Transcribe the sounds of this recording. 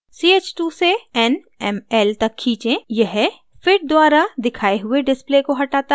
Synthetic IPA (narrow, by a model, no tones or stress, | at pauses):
siːeːt͡ʃʈuːseɛn | ɛmɛːlt̪ɐkʰːĩːt͡ʃẽjɐɦɛ | fɪʈ̚d̪waːɾad̪ɪkʰaːeɦʊeɖɪsplekoɦɐʈaːt̪a